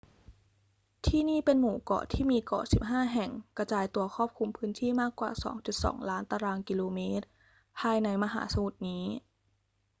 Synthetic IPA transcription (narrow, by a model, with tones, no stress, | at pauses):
t̪ʰiː˥˩niː˥˩pe˧nmuː˨˩˦kɔ̰ː˨˩t̪ʰiː˥˩miː˧kɔ̰ː˨˩si˨˩p̚ɦaː˥˩ɦɛ˨˩ŋka˧t͡ɕaː˧jt̪u˧ɐkʰɔː˥˩p̚kʰu˧mpʰɯː˦˥nt̪ʰiː˥˩maː˥˩kːwa̰ː˨˩sɔ̰ː˩˦ŋt͡ɕu˨˩t̪̚sɔ̰ː˩˦ŋlaː˦˥nt̪aː˧ɾaː˧ŋki˧loː˧meː˦˥t̪̚ | pʰaː˧jna˧jma˧ɦa̰ː˩˦sa˧mu˨˩t̪̚niː˦˥